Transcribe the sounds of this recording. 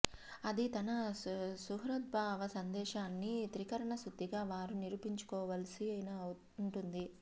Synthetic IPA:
ɐd̪it̪ɐnɐsuɦɾɐt̪̚bʱaːʋɐsɐnd̪ɛːʃaːnːit̪ɾikɐɾɐɳɐsud̪ːiɡaːʋaːɾuniɾupiɲt͡ʃu̥kɔːʋɐːlɐsiɐjna | ɳʈund̪i

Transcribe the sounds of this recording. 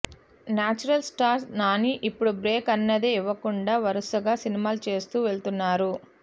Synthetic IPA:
naːt͡ʃuɾɐlsʈaːɾsnaːniʔipːuɽubɾe̞ːkɐnːɐd̪eiʋɐkuɳɖaːʋɐɾusɐɡaːsinimaːlut͡ʃe̞ːst̪uːʋe̞ɭt̪unːaːɾu

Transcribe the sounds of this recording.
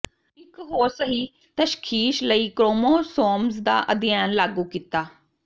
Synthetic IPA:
ɪkɦoːɾsəɦiː | t̪əʃkʰiːʃləiːkɾoːmoːsoːmsd̪a̰ːʔəd̪jaːnlaːɡuːkit̪aː

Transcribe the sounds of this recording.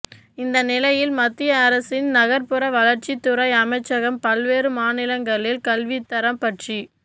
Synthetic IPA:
ɪnd̪ɐnɪlɐjɪlmɐt̪ːɪjɐːɾɐsɪnnɐɣɐɾpɯɾɐʋɐlɐɾt͡ʃit̪ːʊɾɐɪɐmɐɪt͡ʃːɐɣɐmpɐlʋeːɾɯmaːnɪlɐŋɡɐɭɪlkɐlʋɪt̪ːɐɾɐmpɐʈri

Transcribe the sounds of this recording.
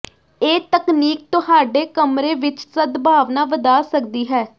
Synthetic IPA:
eːt̪əkniːk̚t̪ʊhaːɖeːkəmɾeːʋɪt͡ʃsəd̪bʱaːʋnaːʋəd̪aːsəkd̪iːɦɛː

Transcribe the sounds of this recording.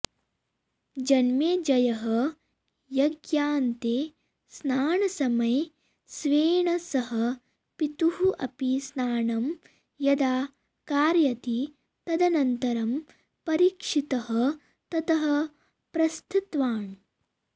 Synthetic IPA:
d͡ʒɐnmeːd͡ʒɐjɐɦɐ | jɐɡjaːnt̪eː | snaːɳɐsɐmɐj | sʋeːɳɐsɐɦɐ | pit̪uɦuʔɐ̰pisnaːɳɐm | jɐd̪aː | kaːɾjɐt̪i | t̪ɐd̪ɐnɐnt̪ɐɾɐm | pɐɾiːkʂit̪ɐɦɐ | t̪ɐt̪ɐɦɐ̆ | pɾɐst̪ʰut̪ʋaːɳ

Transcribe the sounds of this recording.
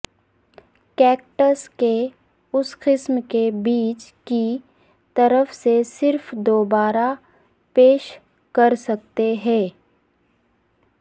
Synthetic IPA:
kɛːk̚ʈəske | ʊsqɪsmkebiːt͡ʃki | t̪ɐɾəfsesɪɾfd̪oːbaːɾa | peːʃ | kɐɾsɐk̚t̪eɦɛ̃ː

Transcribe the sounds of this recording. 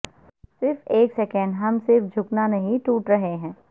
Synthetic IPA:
sɪɾfeːkseːkɛ̃ɳɖɦɐmsɪɾfd͡ʒʱʊknanɐɦĩʈuːʈɾɐɦeɦɛ̃ː

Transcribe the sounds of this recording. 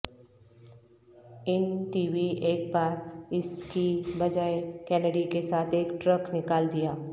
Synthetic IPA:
ɪnʈiːʋieːk̚baːɾɪskibɐd͡ʒaːekɛːnəɖikesaːt̪ʰeːkʈɾəknɪkaːld̪ijaː

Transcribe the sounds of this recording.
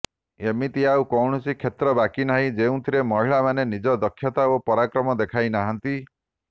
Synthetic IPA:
emit̪iaukɔwɳɔsikʰet̪ɾɔbakinaɦĩd͡ʒeũt̪ʰiɾemɔɦiɭamanenid͡ʒɔd̪ɔkʰːjɔt̪aopɔɾakɾɔmɔd̪ekʰajnaɦɔnt̪i

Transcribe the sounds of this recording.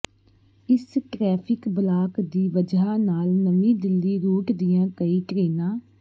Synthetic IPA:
ɪsʈɾɛːpʰɪkbəlaːkd̪iːʋəd͡ʒaːnaːlnəʋĩːd̪ɪlːiːɾuːʈd̪ɪjãːkəiːʈɾeːnãː

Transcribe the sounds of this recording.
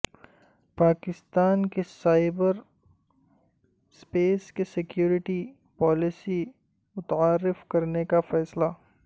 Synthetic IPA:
paːkɪst̪aːnkesaːɪbəɾ | speːskesɪkjuːɾɪʈi | pɔːlɪsi | mʊt̪aːɾːɪfkɐɾnekafɛːsla

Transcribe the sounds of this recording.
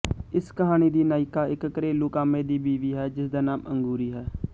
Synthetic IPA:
ɪskəɦaːñiːd̪iːnaːɪkaːɪkːəɾeːluːkaːmẽːd̪iːbiːʋiːɦɛːd͡ʒɪsd̪aːnaːməŋɡuːɾiːɦɛː

